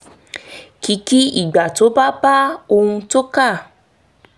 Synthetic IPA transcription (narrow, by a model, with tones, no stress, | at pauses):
ki˨˦ki˦ḭ˦˨ɡ͡ba˨to˨˦ba˦ba˦o˧hũ˧to˦ka˦˨